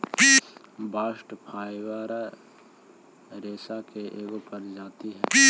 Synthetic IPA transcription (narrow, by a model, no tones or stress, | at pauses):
baːsʈpʰaːjʋaɾ | ɾeːsakeʔeːɡopɐɾd͡ʒaːt̪iɦɛː